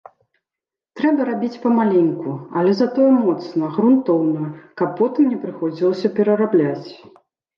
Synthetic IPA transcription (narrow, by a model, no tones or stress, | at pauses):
t̪ɾɛbɐɾabʲit͡sʲpɐmalʲenʲkuɐ̰lʲɛzat̪ɔjɛmɔt̪snɐɣɾunt̪ɔwnɐjɐkɐpːɔt̪ɨmnʲɛpɾɨxɔd͡zʲilˠɐsʲɐpʲɛɾɐɾablʲat͡sʲ